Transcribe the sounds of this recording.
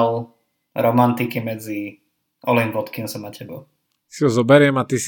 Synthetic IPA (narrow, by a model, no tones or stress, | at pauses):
l | ɾɔmant̪ikimɛd͡zi | ɔlimbɔt̪kinsɔmacʰɛbɔ | siɦɔzɔbɛɾɪɛmat̪is